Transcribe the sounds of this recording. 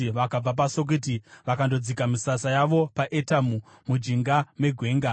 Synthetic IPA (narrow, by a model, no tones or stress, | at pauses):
ʋakab͡vap̬asok̬ut̬iʋakando̞d͡zikamisasajaʋo̞paʔetamu | mud͡ʒiŋɡame̞ɡʱwe̞ːŋɡa